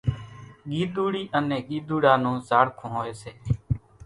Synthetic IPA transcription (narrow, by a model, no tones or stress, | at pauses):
ɠiːd̪uːɽiːʔənẽːɠiːd̪uːɽaːnũːzaːɽkʰõːɦoːeːseː